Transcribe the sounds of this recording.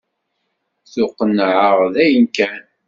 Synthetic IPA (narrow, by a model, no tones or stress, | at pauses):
θʊqːənːʕəʁðæjənkæ